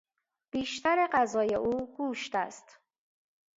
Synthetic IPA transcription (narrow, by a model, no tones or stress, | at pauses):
b̥iːʃt̪ʰæɾeɢæzɒːjḛʔuːɡ̥uːʃt̪æst̪